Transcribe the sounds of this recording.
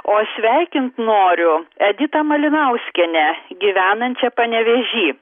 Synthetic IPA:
oːsʲʋʲæɪkʲɪnt̪noːɾʲʊɛd̪ʲɪt̪ɐmɐlʲɪnɐʊsʲkʲɛnʲɛɡʲiʋʲæːnɐnʲt͡ʃʲɛpɐnʲɛʋʲɛʒʲiː

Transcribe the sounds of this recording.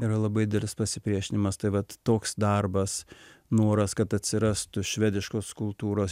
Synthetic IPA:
iɾɐlˠɐbɐɪd̪ʲɪdʲɛlʲɪspɐsʲɪpʲɾʲiɛʃʲɪnʲɪmɐst̪ɐɪʋɐt̪toːksd̪ɐrbɐsnoːɾɐskɐt̪ɐt̪ʲsʲɪɾɑst̪ʊʃʲʋʲæːd̪ʲɪʃkoːskʊlˠt̪uːɾoːs

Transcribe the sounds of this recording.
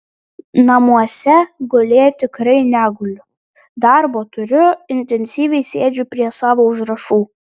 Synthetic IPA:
nɐmuɔsʲɛɡolʲeːjɛt̪ʲɪkɾɐɪnʲæːɡʊlʲʊ | d̪ɑɾboːt̪ʊɾʲʊɪnʲt̪ʲɛnʲsʲiːʋʲɛɪsʲeːd͡ʒʲʊpʲɾʲiɛsɑːʋoːʊʒɾɐʃuː

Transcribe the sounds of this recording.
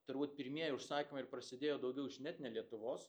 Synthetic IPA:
t̪ɐɾbuːt̪pʲɪɾʲmʲiɛjɛʊʃsɑːkʲɪmɐɪɾpɾɐsʲɪd̪ʲeːjoːd̪ɐʊɡʲɛʊɪʒʲnʲɛt̪ʲnʲɛlʲiɛt̪ʊʋoːs

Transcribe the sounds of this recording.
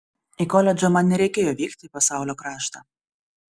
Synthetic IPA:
ikɔlʲɛd͡ʒʲomɐnnʲɛɾʲɛɪkʲeːjoːʋʲiːkt̪ʲɪpɐsɑˑʊlʲoːkɾɑːʃt̪ɐ

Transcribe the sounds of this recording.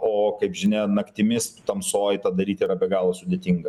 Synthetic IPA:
oːkɐɪpʒʲɪnʲɛnɐkt̪ʲɪmʲɪst̪ɐmsoːjɪt̪ɑd̪ɐɾʲiːt̪ʲiːɾɐbʲɛɡɑːlˠɐsʊd̪ʲeːt̪ʲiŋɡɐ

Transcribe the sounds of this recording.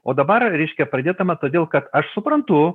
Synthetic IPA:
oːd̪ɐbɐɾɾʲɛɪʃʲkʲɛpɾɐd̪ʲeːd̪ɐmɐt̪oːd̪ʲeːlˠkɐt̪ɐʃsʊpɾɐnt̪ʊ

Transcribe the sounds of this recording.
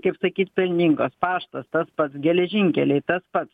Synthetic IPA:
kɐɪpsɐkʲiːt̪pʲɪlʲnʲɪŋkoːspɑːʃt̪ɐst̪ɐspɐt̪sɡʲɛlʲɛʒʲɪŋʲkʲɛlʲɛɪt̪ɐspɐt̪s

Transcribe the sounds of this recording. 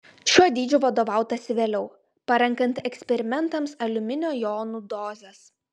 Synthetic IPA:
ʃʲuɔd̪ʲiːd͡ʒʲʊʋɐd̪oːʋɑˑʊt̪ɐsʲɪʋʲeːlʲɛʊ | pɐɾʲɛŋˑkɐnt̪ɛksʲpʲɛɾʲɪmʲɛnt̪ɐmsɐlʲʊmʲɪnʲoːjoːnuːd̪oːzʲɛs

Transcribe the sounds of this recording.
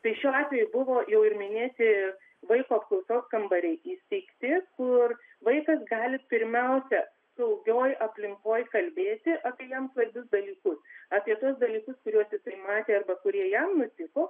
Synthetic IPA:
t̪ɐɪʃʲuːɑːt̪ʲʋʲɛjʊbʊʋoːjɛʊɪɾmʲɪnʲeːt̪ʲɪ | ʋɐɪkoːpklˠɐʊsoːskɐmbɐɾʲɛɪʔiːsʲt̪ʲɛɪkt̪ʲɪkʊr | ʋɐɪkɐsɡɑːlʲɪpʲɪɾʲmʲɛʊsʲɛ | sɐʊɡʲoːjʔɐpʲlʲɪŋkoːjkɐlʲbʲeːt̪ʲɪʔɑːpʲiɛjɛmsʋɐɾʲbʲʊsd̪ɐlʲiːkʊsɑːpʲiɛt̪uɔsd̪ɐlʲiːkʊskʊɾʲuɔst̪ʲɪk̚t̪ɐɪmɑːt̪ʲeːɐrbɐkʊɾʲiɛjɛmnʊt̪ʲɪkoː

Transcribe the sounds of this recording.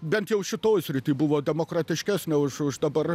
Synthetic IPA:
bʲɛnt̪jɛʊʃʲɪt̪oːjsʲɾʲɪt̪ʲiːbʊʋoːd̪ʲɛmoːkrɑt̪ʲɪʃʲkʲæːsʲnʲɛʊʃʊʃd̪ɐbɐr

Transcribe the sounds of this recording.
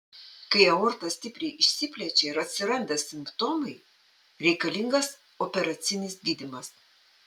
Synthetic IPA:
kɐɪɐɔɾt̪ɐsʲt̪ʲɪpʲɾʲɛɪɪʃʲsʲɪpʲlʲɛt͡ʃʲeɾɐt̪ʲsʲɪɾɐnʲd̪ʲɛsʲɪmpt̪oːmɐɪ | ɾʲɛɪkɐlʲɪŋɡɐs | opʲɛɾɐt̪sʲɪnʲɪsɡʲiːd̪ʲɪmɐs

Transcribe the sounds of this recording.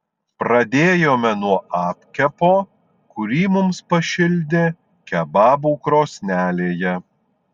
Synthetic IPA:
pɾɐd̪ʲeːjoːmʲɛnuɔʔɑːpʲkʲɛpoː | kʊɾʲiːmʊmspɐʃʲɪlʲd̪ʲɪ | kʲɛbɑːbuːkɾoːsʲnʲæːlʲeːjɛ

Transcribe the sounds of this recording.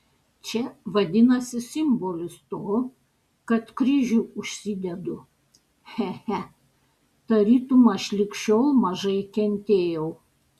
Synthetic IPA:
t͡ʃʲɛʋɐd̪ʲɪnɐsʲɪsʲɪmboːlʲɪst̪oː | kɐt̪kɾʲɪʒʲuʊʃʲsʲɪd̪ʲɛd̪ʊ | hɛhæ | t̪ɐɾʲiːt̪umɐʃʲlʲɪkʲʃʲoːlˠmɐʒɐɪkʲɛnʲt̪ʲeːjɛʊ

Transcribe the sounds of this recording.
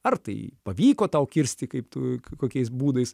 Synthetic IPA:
ɐrt̪ɐɪpɐʋʲiːkoːt̪ɐʊkʲɪɾʲsʲt̪ʲɪkɐɪpt̪ukoːkʲɛɪs̬buːd̪ɐɪs

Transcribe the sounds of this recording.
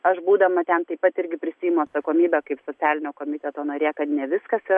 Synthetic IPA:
ɐʃbuːd̪ɐmɐt̪ʲɛnt̪ɐɪpɐt̪ɪɾʲɡʲɪpʲɾʲɪsʲiːjɪmʊɐt̪sɐkoːmʲiːbʲɛkɐɪpsoːt͡s̪ʲæːlʲɪnʲoːkoːmʲɪt̪ʲɛt̪oːnɐɾʲeːkɐt̪nʲɛʋʲɪskɐsiːɾ

